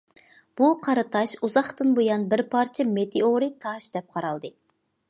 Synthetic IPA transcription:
b̥uqʰɑɾɨt̪ʰɑʃuzɑχt̪ɨnbojɑnbɪɾpʰɑɾt͡ʃʰɛmet̪ʰeoɾit̪ʰɑʃd̪ɛp̚qʰɑɾɑlˠd̪ɨ

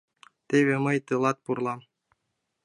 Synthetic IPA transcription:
t̪eβeməjt̪ɨlˠɑt̪̚purlˠɑm

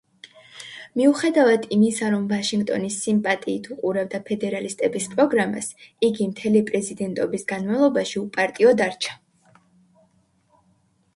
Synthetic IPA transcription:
miuχɛd̪avad̪ʰimisaɾɔmvaʃiŋɡt̪ʼɔ̰nisimpʼat̪ʼiːt̪ʰuqʼuɾab̚d̪apʰɛd̪ɛɾalist̪ʼɛbispʼɾɔɡɾama̰siɡimt̪ʰɛlipʼɾɛzid̪ɛnt̪ʼɔbisɡanmavlˠɔbaʃiupʼaɾt̪ʼiɔd̪aɾt͡ʃʰḁ

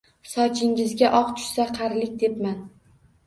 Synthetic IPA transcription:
sɒt͡ʃʰɪŋɪzɡʲaʔɒqt̪ʰʊ̥ʃsaqʰaɾlɪk̚ʲd̪e̞pman

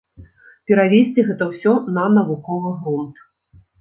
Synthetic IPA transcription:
pʲɛɾavʲesʲt͡sʲiɣɛt̪ɐwsʲɔnɐnɐvukɔvɨɣɾunt̪

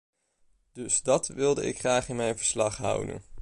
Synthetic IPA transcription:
d̥ɵsdɑtʋɪlˠdəɪ̰kχraːχɪnmɛjnvəɹslɑχɦʌ̰wdə̰n

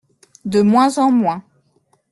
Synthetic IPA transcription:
d̪əmwɛ̃zɑ̃mwɛ̃

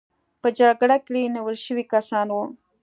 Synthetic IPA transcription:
pəd͡ʒaɽɡɽakɽiniwəlʃəwikasɑnwu

